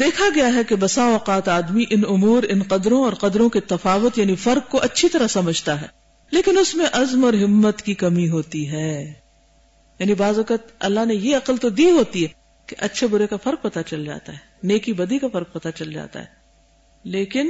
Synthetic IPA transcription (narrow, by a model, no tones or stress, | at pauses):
d̪eːkʰaɡɐjaɦɛkebɐsaoːqaːt̪aːd̪miʔɪnʊmuːɾɪnqɐd̪ɾõɔːɾqɐd̪ɾõket̪ɐfaːʋʊt̪jaːnifɐɾq̚koʔɐtːʃʰit̪ɐɾəɦsɐməd͡ʒʱt̪aɦɛ̰ː | leːkɪnʊsmẽʔɐzmɔːɾɦɪmːət̪kikɐmiɦoːt̪iɦɛː | jaːnibaːzʋɐkət̪̚ɐ̰lːaɦnejeɐqəlt̪od̪iːɦoːt̪iɦɛ | keʔɐtːʃʰebʊɾekafɐɾq̚pɐt̪at͡ʃɐld͡ʒa̰ːt̪a̰ɦɛːneːkibɐd̪ikafɐɾq̚pɐt̪at͡ʃɐld͡ʒa̰ːt̪a̰ɦɛː | leːkɪn